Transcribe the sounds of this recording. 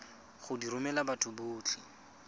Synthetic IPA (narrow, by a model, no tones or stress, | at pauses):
χʊdiɾʊmɛlabatʰʊbʊːt͡ɬʰi